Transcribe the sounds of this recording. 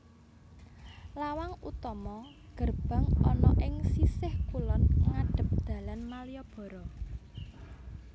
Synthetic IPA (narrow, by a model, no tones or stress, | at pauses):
lawaŋut̪ɔmɔ | ɡ̥ə̤rb̥a̤ŋɔnɔʔɪŋsisɪhkulɔnŋaɖ̥ə̤p̚d̪̥a̤lanmalijɔb̥ɔ̤ɾɔ